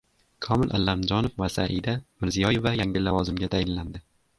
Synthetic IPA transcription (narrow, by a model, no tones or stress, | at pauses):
kʰɒmɪlʔa̰lːamd͡ʒɒnofvasa̰ʔid̪amɪɾzijɒjevajaŋʲɪlavɒzɪmɡʲat̪ʰajɪlland̪ɪ